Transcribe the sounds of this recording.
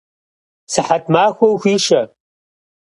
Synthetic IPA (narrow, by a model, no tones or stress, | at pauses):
sɨħatʰmaːxʷɐwxʷiːʃɐ